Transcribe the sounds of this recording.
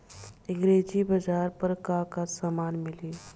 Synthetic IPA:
ɪ̃ŋɡɾeːd͡ʒibɐd͡ʒaːɾpəɾkãkasaːmaːnmɪliː

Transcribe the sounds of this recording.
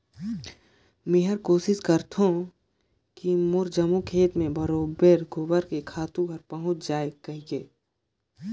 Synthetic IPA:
mɪɦəɾkoːsɪskəɾt̪ʰõ | kimʊɾd͡ʒəmukʰeːt̪mẽbɐɾoːbeɾɡʱʊbəɾkekʰaːt̪ũɡʱəɾpɐɦʊ̃t͡ʃʰd͡ʒaːekɐɦieː

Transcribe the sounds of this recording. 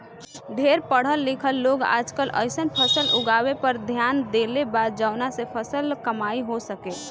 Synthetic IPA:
ɖʱeɾpəɽ̤əlːikʰəlːoːɡa̰ːd͡ʒkələ̰ɪsənpʰəsəlʔʊɡawepəɾd̪ʱjand̪elebaːd̪̚d͡ʒaʊnasepʰəsəlkəmaiɦosəke

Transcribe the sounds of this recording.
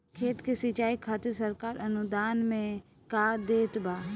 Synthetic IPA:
kʰeːt̪kesɪt͡ʃaːikʰaːt̪əsəɾkaːɾɐnʊd̪aːnmẽ | kaːd̪eːt̪baː

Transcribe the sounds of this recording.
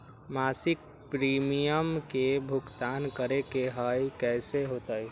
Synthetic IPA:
maːsɪk̚ | pɾiːmijəmkebʱʊkt̪aːnkəɾekeɦəjkɛːseɦoːt̪ai

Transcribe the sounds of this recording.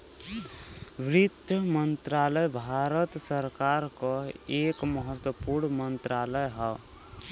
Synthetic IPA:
ʋɾɪt̪jəmənt̪ɾaləjbʱaɾət̪səɾkaɾkɔekməɦət̪wəpuɾɳmənt̪ɾaləjɦə

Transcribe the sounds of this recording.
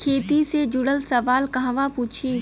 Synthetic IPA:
kʰeːt̪ised͡ʒʊɽəlsɐʋaːlkɐɦãʋapuːt͡ʃʰĩ

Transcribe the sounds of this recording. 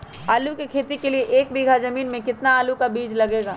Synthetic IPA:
aːlukekʰeːt̪ikelieʔeːk̚biːɡʱazɐmiːnmẽkɪt̪naaːlukabiːd͡ʒlɐɡeːɡaː

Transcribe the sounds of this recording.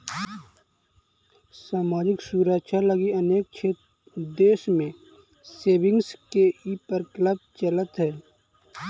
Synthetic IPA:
saːmaːd͡ʒɪksuːɾəkt͡ʃʰaləɡiəneːk̚t͡ʃʰeːt̪ | d̪eːʃmẽ | seːbɪ̃ŋɡskeiːpəɾkləb̚t͡ʃələt̪ɦɛː

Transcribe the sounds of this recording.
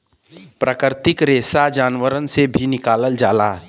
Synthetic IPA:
pɾəkəɾt̪ɪkɾesad͡ʒaːnʋəɾənsebʱinɪkaːləld͡ʒaːla

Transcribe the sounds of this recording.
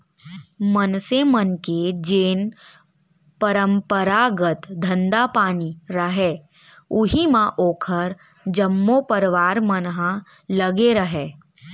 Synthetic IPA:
mənsemənked͡ʒeːn | pəɾə̃mpəɾaːɡət̪d̪ʱə̃nd̪apaːniɾəɦe | ʊɦimãʔoːkʰəɾ | d͡ʒəmːopəɾʋaːɾmənɦã | ləɡeɾəɦeː

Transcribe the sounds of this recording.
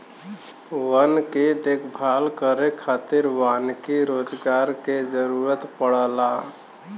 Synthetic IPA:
ʋənked̪eːkʰbʱalkəɾekʰaːt̪ɪɾʋaːnkeɾod͡ʒɡaɾked͡ʒəɾuɾət̪pəɽəla

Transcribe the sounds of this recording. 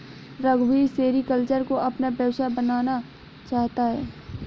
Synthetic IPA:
ɾɐɡbiseːɾikəlt͡ʃəɾkoʔɐpnabʱjəwsabənaːna | t͡ʃaːɦt̪aɦɛː

